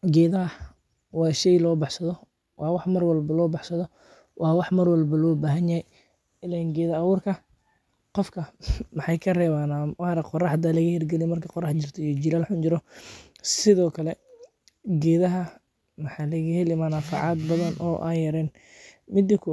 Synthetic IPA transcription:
ɡɛːðɐɦɐ | wɑːʃɛjlɔːbɑħsɐðɔ | wʔɑːwɑħmɐrwɐlbɐlɔːbɑħsɐðɔ | wʔɑːwɑħmɐrwɐlbɐlɔːbaːɦɐnjɐhɛj | ɪlaɡɛːðɐɐwʊrkʰɐ | qɔfkʰɐmɑħɑjkʰɐrɛːβaːnawɑɾɐqɔrɑħd̪aːlɐɣɐhɪrɡɛlɪjmɐrkʰɐqɔrɑħt͡ʃɪrt̪ʰɐijɔd͡ʒɪlaːlħʊnt͡ʃɪɾɔsɪðɔːkʰɐlɛ | ɡɛːðɐɦɐ | mɑħɑlɐɣɐhɛlɪmɐnaːfɑ̰ʕɑd̪bɐðɐnʔɔ̰ːʔa̰jɐɾɛːn | mɪd̪ɪkʰʊ

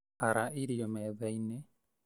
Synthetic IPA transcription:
aɾaiɾiɔmɛːðaine

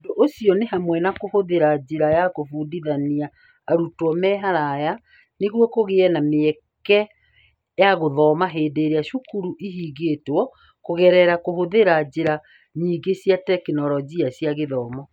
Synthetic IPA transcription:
doʔoɕiɔnehamwɛnakohoðeɾad͡ʑeɾajakofuːdiðaniaː | ɾutwɔmɛɦaɾaja | neɣwɔkoɣeɛnameɛ | kɛ | jaɣoðɔːmaɦeːdeːɾeaʃukuɾuʔiɦiːɡeːtwɔ | koɣɛɾɛɾakohoðeɾad͡ʑeɾa | ɲiːɡesjatɛkinɔɾɔɡiasjaɣeðɔːmɔ

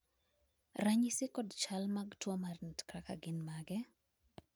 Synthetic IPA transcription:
raɲisɪkɔdt͡ʃalmaɡtwɔmarnitkɾaka̰ɡɪnmaɡɛ

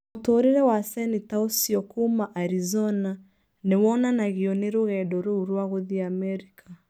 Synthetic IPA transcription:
otoɾiɾɛwasɛnitaosiɔkumaʔaɾizɔna | newɔnanaɣiɔneɾoɣɛdɔɾuɾwaɣoðiamɛɾikʰa

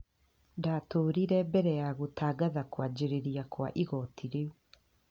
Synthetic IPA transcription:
daːtoːɾiɾɛbɛɾɛjaɣotaːɡaðakwad͡ʑeɾeɾiakwa̰ʔiɣɔtʰiɾeu

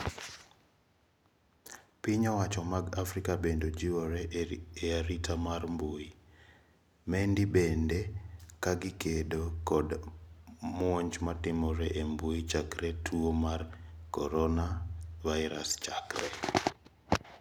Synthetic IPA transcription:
piɲɔwat͡ʃɔmaɡafɾikabendod͡ʒiwoɾɛeaɾitʰamarmboji | mɛndibendekaɡɪkedokɔd | mwoɲt͡ʃmatɪmɔɾɛʔemboit͡ʃakɾetʰuomarkɔɾɔnavaɪɾast͡ʃakrɛ

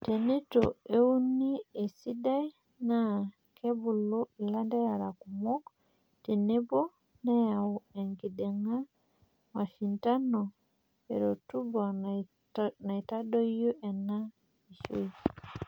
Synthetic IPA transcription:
tɛnɛtɔ̰ewunːiɛsidaj | na | kʰebulɔlandɛjaɾakumɔk | tɛnɛbɔ | najawuɛŋɡidɛŋa | mafintanɔ | ɛ̰ɾotuba | najtadɔjɔʔɛnːa | iʃo̰

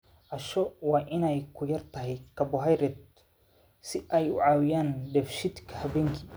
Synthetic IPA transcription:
ʔɐʃɔwɑːʔɪnɛjkʰʊjɐrt̪ʰɐɦɛjkʰɐbʊɦɐjɾɛd̪̚ | sɪʔɛjʊ̰ʕaːwɪjaːnɖ̪ɛfʃɪd̪kʰɐhɐβɛːŋkʰi

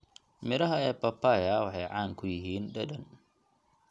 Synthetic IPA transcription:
mɪɾɐɦɐɛːpɐpʰaːjɐwɑħɑjʕɑːŋkʰʊjɪɦiːnɖɐdɐn

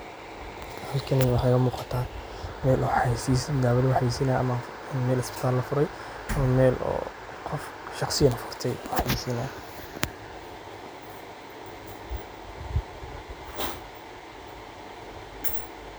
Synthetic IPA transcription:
halkʰɐnɛwɑħakɐmuːqɑt̪ʰaː | mɛːlɔːħajsisd̪aːβɐlwħajsinaɐ̰mɐ | mɛːlɪsbɪt̪ʰaːlːɐfʊɾɛj | ɔmɛːlʔɔ̰ː | qʰɔf | ʃɑχsɪjɐnɐfʊ̥rt̪ʰɛjɔħjisinaː

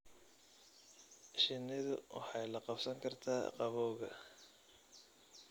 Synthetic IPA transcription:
ʃɪnːɪðʊwʔɑ̰ħɑjlɐqɑfsɐŋkʰɐrt̪ʰaːqɑβɔːɣɐ

